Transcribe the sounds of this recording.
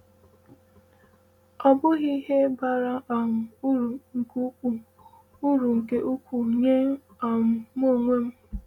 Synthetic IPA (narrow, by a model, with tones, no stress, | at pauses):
ɔ˨bʊ˦ɣi˦ɦe˦ba˨ɾa˦˨˦ɾu˨ŋ̩˨ku˦u˨ | u˦ɾu˨ŋ̩˨ke˦ʔu˦kʷu˨ɲe˦ | a˨mʊ˨mo˦˨ŋʷe˦m̩˦